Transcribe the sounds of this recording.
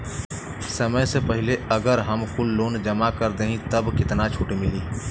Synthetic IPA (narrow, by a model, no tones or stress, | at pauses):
sɐməjsepɛɦɪleɐɡəɾɦɐmkʊlːoːnd͡ʒɐmakɐɾd̪eːɦĩt̪ɐbkɪt̪nat͡ʃʰuːʈemɪliː